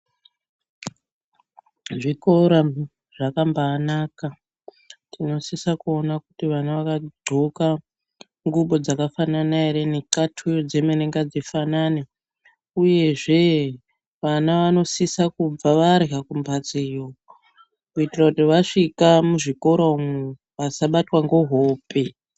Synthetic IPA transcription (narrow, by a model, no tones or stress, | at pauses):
ʐikoɾa | ʐ̥akambaːnaka | tʰino̞sisakuo̞nakutiʋanaʋakaɡ͡ǃʱoka | ŋɡuɓo̞d͡zakafananaeɾenikatʰujod͡ze̞meneŋɡad͡zifanane | uje̞ʐe̞ | ʋanaʋano̞sisakub͡vaʋaɾiɦakumbat͡sijo | kuitirakutiʋaʂikamuʐiko̞ɾoume | ʋasaɓatwaŋɡo̞ɦoːpe